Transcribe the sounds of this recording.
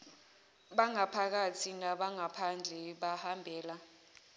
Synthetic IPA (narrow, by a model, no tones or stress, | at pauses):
ɓaŋapʰak̬at͡sʰinaɓaŋapʰand͡ɮʱɛɓahambʱɛːla